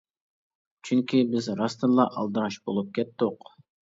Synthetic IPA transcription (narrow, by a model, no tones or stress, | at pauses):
t͡ʃʰyŋkʲibɪzɾɑst̪ɨɾlˠɑʔɑ̰lˠd̪ɨɾɑʃbolˠup̚kʲʰɛt̪ːʊq